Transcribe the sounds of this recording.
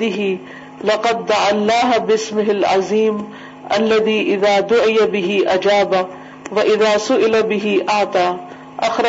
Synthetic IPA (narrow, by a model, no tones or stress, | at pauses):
ɪɦi | lɑqɑd̪̚ːaʕalːaːɦbɪsmɪɦɪlʕa̰ziːm | ʔɐlːɐðiːʔɪðaːd̪ʊʕɪjabɪɦɪʔɐd͡ʒaːba | wɐʔɪðaːsʊʔɪlabɪɦiʔaʕt̪aː | ʔɐxɾ